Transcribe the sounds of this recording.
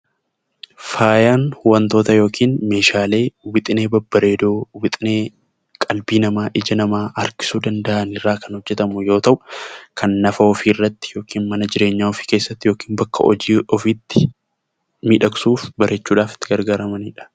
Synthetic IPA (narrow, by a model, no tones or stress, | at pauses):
faːjaːnhʊwɐnt̪o̞ːt̪ɐjo̞ːkʰiːnme̞ːʃaːle̞ːwɪt̪ʼɪne̞ːbɐbːɐɾeːd̪oːwɪt̪ʼɪneː | kʼɐlbiːnɐmaːʔɪd͡ʒɐnɐmaːʔɐɾkɪ̥suːd̪ɐnd̪ɐʔɐnɪrːaːkɐnhɔd͡ʒːɛt̪ɐmʊjo̞ːt̪ɐʔʊkʰɐnːɐfɐɔfiːɪrːɐt̪ːɪ̥jo̞ːkiːnmɐnɐd͡ʒɪɾe̞ːɲːaːɔfi̥ːkeːsːɐt̪ːɪjo̞ːkiːnbɐkːɐ̰ʔɔ̰d͡ʒiːɔfiːt̪ːɪ | miːᶑɐksuːfbɐɾʔɛt͡ʃːuːᶑaːfɪ̥t̪ːɪɡɐɾɡaːɾɐmɐniːᶑɐ̥